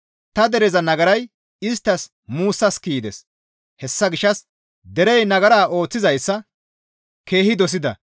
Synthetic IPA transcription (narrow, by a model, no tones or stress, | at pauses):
t̪ɐd̪ɛɾɛzɐnɐɡɐɾɐj | ɪs̬t̪ːɐs | muːsːɐskiːd̪ɛ̰s | hɛsːɐɡɪʃːɐs | d̪ɛɾɛjnɐɡɐɾaːʔo̞ːt͡sːɪzɐjsːɐ | ke̞ːhɪd̪ɔs̬ɪd̪ɐ̰